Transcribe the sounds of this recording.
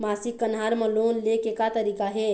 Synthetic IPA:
masikːənɦaɾmə̃lonlekekat̪əɾikaɦe

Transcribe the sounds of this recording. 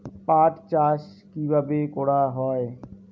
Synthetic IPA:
paʈt͡ɕaʃ | kibʱabekɔɽaɦɔe

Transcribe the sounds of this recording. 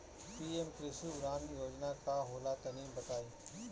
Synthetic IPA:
piːemkɾɪsuʊɾaːnjoːd͡ʒnakaɦoːlat̪ɐniːmbɐʈ̪aːiː

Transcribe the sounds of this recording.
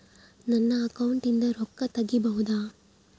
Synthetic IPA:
nɐnːɐːkɐwuɳʈind̪ɐɾɔkːɐt̪ɐɡːibɐɦud̪aː

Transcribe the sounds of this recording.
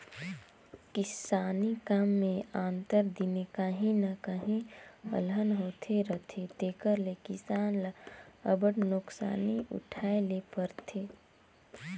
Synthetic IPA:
kɪsaːnikaːmːẽãːnt̪əɾd̪inekaɦĩnakaɦĩə̰lɦənɦoːt̪ʰeɾət̪ʰet̪eːkəɾlekɪsaːnləbəɽnoksa̰ːniʊ̰ʈʰaːelepəɾt̪ʰeː

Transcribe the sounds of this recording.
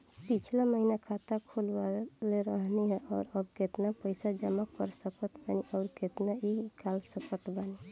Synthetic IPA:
pit͡ʃʰlaməɦinakʰat̪akʰolbaleɾəɦniɦɛʔɔːɾəb̚ket̪napəɪsad͡ʒəmakəɾsəkət̪baniʔɔːɾket̪naikʰalsəkəʈ̪bani

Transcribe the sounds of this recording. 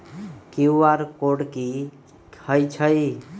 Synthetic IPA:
kiʋaɾkoɽki | əjt͡ʃʰəj

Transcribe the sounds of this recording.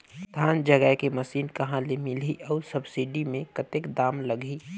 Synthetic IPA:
d̪ʱaːnd͡ʒəɡəkemɐsiːnkɐɦãlemɪliʔɔːsɐbsiɖimẽkɐt̪ekd̪aːmlɐɡʱi

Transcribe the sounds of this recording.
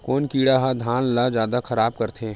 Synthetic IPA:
koːnkiːɽaɦad̪ʱaːnlad͡ʒjaːd̪axʰɐɾaːb̚kɐɾt̪ʰeː

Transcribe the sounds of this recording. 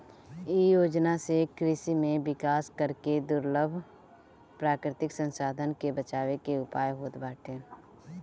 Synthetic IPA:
ijoːd͡ʒnasekɾɪʃimẽʋɪkaːskəɾked̪ʊɾləbʱ | pɾaːkɾɪt̪ɪksə̃nsaːd̪ʱənkebət͡ʃaːwekeʊpaːjɦoːt̪baːʈʰeː

